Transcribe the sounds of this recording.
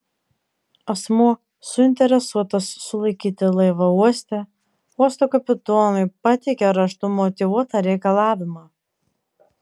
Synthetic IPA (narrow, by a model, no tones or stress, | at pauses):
ɐsmuɔ | sʊɪnʲt̪ʲɛɾʲɛsuɔt̪ɐsːʊlˠɐɪkʲiːt̪ʲɪlˠɐɪʋɐuɔsʲt̪ʲɛ | uɔst̪okɐpʲɪt̪oːlʊɪpɐt̪ʲɛɪkʲɛɾɐʃt̪ʊmɔt̪ʲɪʋuɔt̪ɑɾʲɛɪkɐlˠɑːʋʲɪmɑː